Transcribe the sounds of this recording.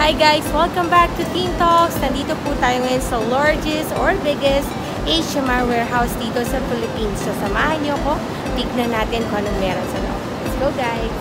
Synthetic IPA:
hajɡajswɛlˠkɐ̃mbak̚t̪ʊt̪ĩːmt̪oksnɐnd̪iːt̪oput̪aːjoŋɐjonsɐlaɹd͡ʒɛst̪ɔɹbɪɡɛst̪ | ʔeʃɐmawɛːɹɦawsd̪iːt̪o̞sɐfɪlɪpiːnsːosɐmaːhɐnɲoɐko̞ | bɪɡ̚nɐnːaːt̪ɪnkonɐŋmɛːɾonsɐnɐ̰ʔo̰ | ɛsɡoɡajs

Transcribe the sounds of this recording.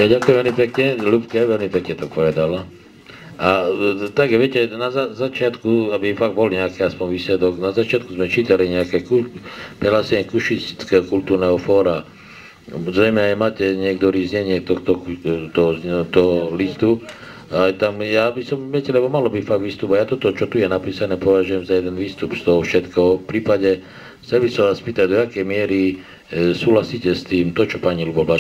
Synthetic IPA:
jadɟakujɛmʋɛlmipɛkɲɛlupkɛʋɛlmipɛkɲɛt̪ɔpɔʋɛd̪ala | ʔat̪aɡʋɪɛcɛnazazat͡ʃɪat̪kuabifaɡ̚bɔlɲɛakɛaspɔɲʋiːslɛd̪ɔɡnazat͡ʃɪat̪kuzmɛt͡ʃiːt̪aliɲɛakɛkupɾɛlasɛɲɛkuʃist̪i̥t͡skɛɦɔkult̪uːɾnɛɦɔfɔːɾa | zɾɛjmɛajmaːcɛɲɪɛkt̪ɔɾiːzɲɛɲɪɛt̪ɔxt̪ɔt̪ɔt̪ɔɦɔlist̪u | ajt̪amjaːbisɔmʋɛcɛlɛbɔmalɔbifaɡ̪ʋiːst̪uːpajat̪ɔt̪ɔt͡ʃɔt̪ujɛnapiːsanɛːpɔʋaʒujɛmzajɛd̪ɛnʋiːst̪upst̪ɔɦɔfʃɛt̪kɔɔfpɾiːpaɟɛ | xt͡sɛlbisɔmʋaːspiːt̪aɟd̪ɔakɛjmɪɛɾi | suːɦlasiːcɛst̪iːmt̪ɔt͡ʃɔpaɲilubɔba

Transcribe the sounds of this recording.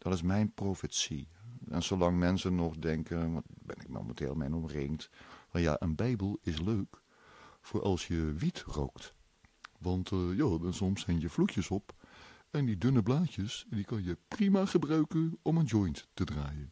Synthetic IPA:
d̥ɔtɪsmɛjnprowfətsiɛnsolɑŋmɛnsənːɔxdɛŋkəʋɑbɛ̰nɪk̚mo̰mə̰ntʰḛːlˠmɛ̰nɔmrɪŋtfɑnja̰ʔənbɛjbəlˠɪsløːk | fʊːɹʔɑ̰lˠsjəʋitro̰wkt | ʋɑntjoːdɔnsɔmsɛjnjəflukjəsɔp | ɛndidʏnəblaːtjəsdikɑnjəprimaxəbraɥkəɔmənd͡ʒɔjnttədraːjən

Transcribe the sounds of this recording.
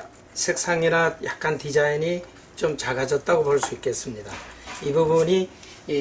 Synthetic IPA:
sʰek̚s͈ʰaŋiɾajak̚k͈antid͡ʑaini | t͡ɕomt͡ɕaɡad͡ʑʌt̚t͈aɡopʌɭs͈uik͈e̞ts͈ɯmɲidaibubuɲi

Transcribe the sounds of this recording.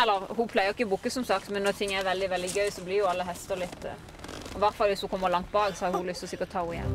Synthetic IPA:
ɛlːəɦupʰlæɪəʁɪkːəbukːəsɔmsɑkt̪mɛnːɔt̪ʰɪŋːæɾʋɛld̪ɪʋɛld̪ɪɡœʏsɔblɪɾjʊɑlːəɦɛst̪əɾlɪt̪ːə | ɔʋæʁt̪fɑlʋɪshukʰɔmːəɾlɑŋt̪̚bɑːɡsɔhɑɾjʊhʊlʏst̪ɔsɪkːəɔt̪ʰɑːuɪjɛ̰n

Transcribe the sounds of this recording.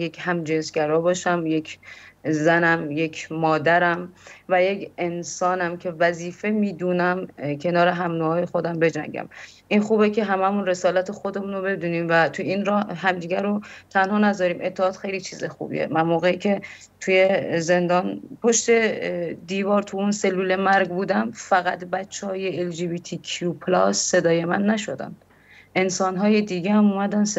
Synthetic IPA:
je̞cʰhæmd͡ʒensɡæɾɒːbɒːʃæmje̞kʰzænæmje̞kʰmɒːd̪æɾæmvæjecʰe̞nsɒːnæmcʰe̞væziːfe̞miːd̪uːnæmcʰe̞nɒːɾe̞ɦæmnuɦɒːjexod̪æmbe̞d͡ʒæ̰ɲɟæ̰m | ʔinxuːbecʰe̞ɦæmæmunɾe̞sɒːlæt̪ʰexod̪e̞muːnobe̞d̪uːniːmvæt̪ʰujiːnɾɒːhɦæmd̪iːɟæɾot̪ʰænhɒːnæzɒɾiːmʔe̞t̪ʰːeɒːt̪xejlit͡ʃʰiːzexṵːbḭḛmænmoːɣeicʰe̞ | t̪ʰujeze̞nd̪ɒːnpʰo̞ʃt̪e̞d̪iːvɒːɾt̪ʰuunse̞lːuːle̞mæɾɡbuːd̪æmfæɣæt̪bæt͡ʃʰːehɒːjeeld͡ʒibiːt̪ʰikʰupʰlɒsːe̞d̪ɒːje̞mænːæʃod̪æ̰nd̪ | ʔe̞nsɒːnɦɒːjed̪iːɡeæmumæd̪æns

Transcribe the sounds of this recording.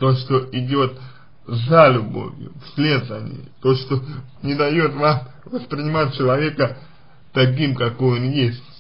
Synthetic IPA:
t̪oʂt̪o̞ʔɪdʲo̞t̪ | zalʲʊbo̰vʲjʊ̰fsʲlʲe̞d̪əvə̰nʲɪ̰jət̪o̞ʂt̪o̞nʲɪd̪ɐjo̞t̪vam | vəspɾʲɪnʲɪmat̚ʲt͡ɕɪlˠɐvʲe̞kə | t̪ɐk̬ʲimkɐkojonjesʲtʲ

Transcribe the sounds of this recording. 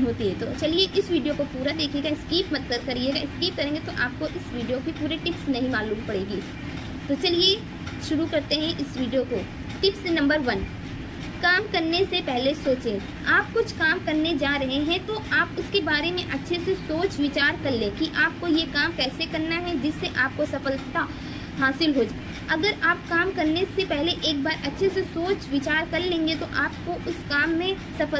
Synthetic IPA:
ɦoːt̪iɦɛ̃t̪ot͡ʃɐlieʔɪsʋiːɖijokopuːɾad̪eːkʰeɡaɪskiːpmɐt̪ːəɾkɐɾieːɡaɪskiːp̚kɐɾẽːŋɡet̪oʔaːp̚koʔɪsʋiːɖijobʱipuːɾeʈɪpsnɐɦĩmaːluːmpɐɽeːɡi | t̪ot͡ʃɐlie | ʃʊɾukɐɾt̪eɦɛ̃ʔɪsʋiːɖijoko | ʈɪpsnɐ̃mbəɾʋɐn | kaːmkɐɾnesepɛɦlesoːt͡ʃẽ | aːp̚kʊt͡ʃʰkaːmkɐɾned͡ʒaːɾɐɦeɦɛ̃t̪oaːpʊskebaːɾemẽʔɐtːʃʰesesoːt͡ʃʋɪt͡ʃaːɾkɐɾlẽːkiʔaːp̚kojekaːmkɛːsekɐɾnaɦɛd͡ʒɪsːeʔaːp̚kosɐfəlt̪a | ɦaːsɪlɦoːd͡ʒaː | ɐɡəɾaːpkaːmkɐɾnesepɛɦleʔeːk̚baːɾʔɐtːʃʰesesoːt͡ʃʋɪt͡ʃaːɾkɐɾlẽːŋɡet̪oʔaːp̚koʔʊskaːmːẽ | sɐfə

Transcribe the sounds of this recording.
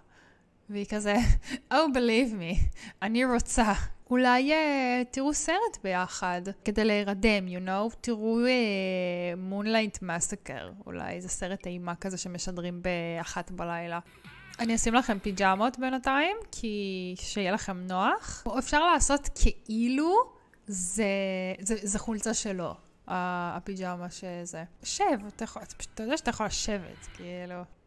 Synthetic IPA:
veikazeowbilivmianiʁot͡saulajetiʁuseʁetbe̞jaχadkedejleiʁade̞mjuno̞wtiʁue | munlajntmasakḛʁṵla̰jezeseʁetaimakazeʃemeʃadʁimbeaχatbalajla | aniosimlaχe̞mpid͡ʒamo̞tbenataimkʰiʃejelaχe̞mno̞aχefʃaʁlaːso̞tkʰeʔilu | zezezeχult͡saʃelo̞̰ | apid͡ʒamaʃezeʃevatajχtajodɛaʃatajaχolaʃe̞vḛtkeilu

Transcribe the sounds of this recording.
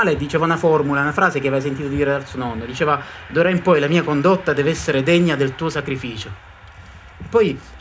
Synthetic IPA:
aːled̪it͡ʃɛːvaunafɔrmulaunafɾaːzek̟eavajs̬ent̪̬it̪od̪iːɾed̪alsuonɔnːod̪it͡ʃeːvad̪uɾaimpɔjlamiːakond̪ot̪ːad̪ɛːveɛsːeɾed̪eɲːad̪elt̪uːosakɾifiːt͡ʃo | pːɔj

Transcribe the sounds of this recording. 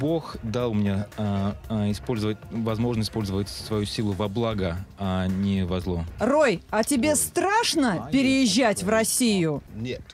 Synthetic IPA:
bo̞xd̪alˠmʲɪnʲa | ɪspo̞lʲzəvət̚ʲvɐzmo̞ʐnəsʲɪspo̞lʲzəvətʲsvɐjusʲilˠʊvɐblˠaɡəanʲɪvɐzlˠorojɐtʲɪbʲe̞st̪ɾaʂnəppʲɪɾʲɪjɪʑːætʲvrɐsʲijʊt̪

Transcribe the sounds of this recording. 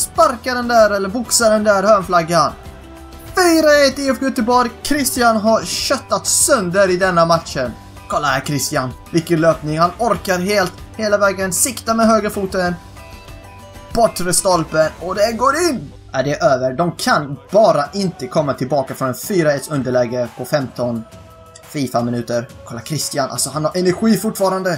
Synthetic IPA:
spaɾkaɖɛnd̪æːɾɛlːəɾvʊksaɖɛnd̪æɾhœːɳflaɡːan | fyːɾaɛt̪ːɪɛfɡɵt̪ːəɾbɔːɾkʰɾɪst̪ɪjanɦaɾɕœt̪ːat̪sœnd̪əɾɪd̪ɛnːamat̪ʃən | kʰɔlːahæːɾkʰɾɪst̪ɪanvɪkːənløːpnɪŋhanɔɾkaɾɦeːlt̪heːlavɛːɡənsɪkt̪amɛɦøːɡɾəfuːt̪ən | b̥ɔʈːɾəst̪ɔlpənɔd̪ɛɡoːɾɪnː | ad̪ɛɾʔøːvəɾɖɔmkʰanbɑːɾaʔɪnt̪əkʰɔmːat̪ʰɪlbɑːkafɾɔnɛnfyːɾaɛt̪sɵnd̪əɭɛɡːəpʰɔfɛmt̪ɔn | fiːfamɪnʉ̟ːt̪əɾkʰɔlːakʰɾɪst̪ɪanʔa̰lsɔhanhaɾʔɛnæɾɧiːfʊʈːfɑːɾand̪ə

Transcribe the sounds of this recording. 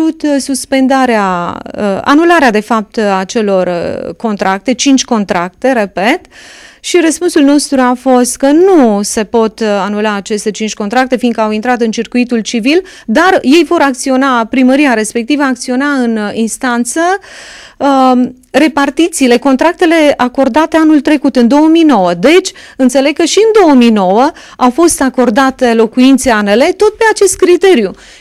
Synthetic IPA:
ut̪suspe̞nd̪aɾeaəa̰nulaɾead̪e̞fap̚t̪at͡ʃe̞lo̞rko̞nt̪ɾak̚t̪e̞t͡ʃint͡ʃʲko̞nt̪ɾak̚t̪e̞ɾe̞pe̞t̪ʃiɾəspunsulno̞st̪ɾuafo̞st̪kənuse̞po̞t̪anulaːt͡ʃe̞st̪e̞t͡ʃint͡ʃʲkont̪ɾak̚t̪e̞finkəawint̪ɾat̪ɨnt͡ʃirkuit̪ult͡ʃivil | d̪arje̞jvo̞ɾakt̪sio̞napɾiməɾiaɾe̞spe̞k̚t̪ivəakt̪sio̞naɨninst̪ant̪sə | re̞part̪it̪siːle̞ko̞nt̪ɾak̚t̪e̞le̞ako̞rd̪at̪e̞anult̪ɾe̞kut̪ɨnd̪o̞wəmijno̞wəd̪e̞t͡ʃʲɨnt̪se̞le̞ɡ̚kəʃiɨnd̪o̞wəmino̞wə | awfo̞st̪ako̞rd̪at̪elo̞kuint̪seanele̞t̪o̞t̪̚pe̞at͡ʃe̞st̪̚kɾit̪e̞ɾju

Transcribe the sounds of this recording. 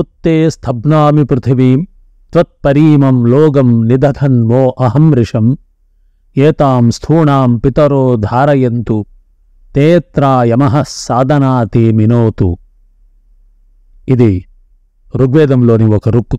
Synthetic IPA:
ut̪ːeːst̪ʰɐbnaːmipɾɪt̪ʰɐʋim | t̪ʋɐt̪̚pɐɾiːmɐmloːɡɐmnid̪ʱɐd̪ʰɐnʋoːʔɐɦɐmɾɪʂɐm | eːt̪aːmst̪ʰuːɳaːmpit̪ɐɾoːd̪ʱaːɾɐjɐnt̪u | t̪eːt̪ɾaːjɐmɐɦɐsːaːd̪ʱɐnaːt̪iminoːt̪ṵ | id̪i | ɾuɡʋeːd̪ɐmloːniʋokɐɾuk

